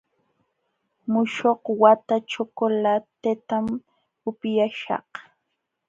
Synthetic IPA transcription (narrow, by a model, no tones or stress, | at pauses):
mʊʃoqwat̪at͡ʃokolat̪et̪am | ʊpjaʃɑ̰h